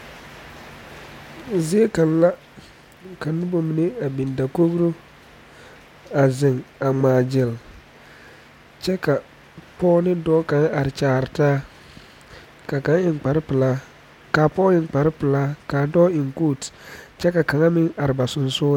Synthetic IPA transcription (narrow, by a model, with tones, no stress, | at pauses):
zɪ˦e˦ka˨n˦la˦ | ka˨nʊ˦bo˨mi˨ne˦a˨bi˨nda˨ko˦ɡɾo˦ | a˨zɪ˨ŋa˨ŋ͡maː˨d͡ʒɪ˨l | t͡ʃɛ˦ka˨ | pɔː˦nɪ˦dɔː˦ka˨ŋ˦a˨ɾɪ˨t͡ʃaː˨ɾɪ˨taː˦ | ka˨ka˨˦ŋɪ˨ŋk͡pa˨ɾɪ˦pɪ˨laː˦ | ka˨pɔː˦ɪ˨ŋ˦k͡pa˨ɾɪ˦pɪ˨laː˦kaː˨dɔː˦ɪ˨ŋkuː˦˨tt͡ʃɛ˦ka˨ka˨ŋa˦mɪ˦ŋa˨ɾɪ˨ba˨sʊ˨nsʊː˦